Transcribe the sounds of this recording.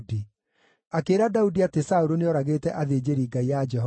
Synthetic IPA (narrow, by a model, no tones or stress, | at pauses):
di | akeːɾadaudiatesaoɾoneɔɾaɣeːtɛʔaðeːd͡ʑeɾiːɡaiad͡ʒɛɦɔ